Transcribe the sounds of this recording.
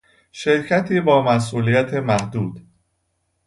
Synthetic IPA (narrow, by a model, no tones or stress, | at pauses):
ʃe̞ɾcʰæt̪ʰiːbɒːmæs̬ʔuːlijæt̪ʰe̞mæhd̪uːd̪̥